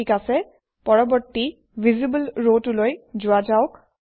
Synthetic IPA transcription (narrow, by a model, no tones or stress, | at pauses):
ikasɛ | pɔɹɔbɔɹtːi | vʱizibəlɹotulojzʊazaʊk